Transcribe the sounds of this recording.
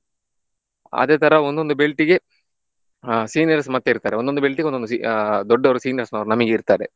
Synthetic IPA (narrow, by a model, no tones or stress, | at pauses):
ɐ̰d̪eːt̪ʰɐɾɐond̪o̞nd̪ubelʈiɡe̞ | siːnijɐɾs̬mɐt̪ːeiɾut̪aːɾeond̪o̞nd̪ubelʈiɡeononusḭd̪ɔɖːɐʋɐɾusiːniɐɾsnɐʋɐɾunɐmɐɡeiɾt̪aːɾe